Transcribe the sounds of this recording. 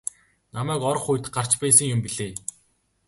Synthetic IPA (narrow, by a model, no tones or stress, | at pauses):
namæːkɔɾɞ̆χujt̪ɢar̥t͡ɕpæːsə̆ŋjʊmpiɮeː